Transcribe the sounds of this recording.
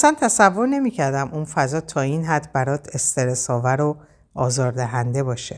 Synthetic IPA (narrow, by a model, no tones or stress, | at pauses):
sænt̪ʰæsævːo̞ɾne̞miːcʰæɾd̪æmʔunfæzɒːt̪ʰɒːinɦæd̪bæɾɒːd̪est̪e̞ɾesɒːvæɾo | ɒːzɒːɾd̪æɦænd̪e̞bɒːʃe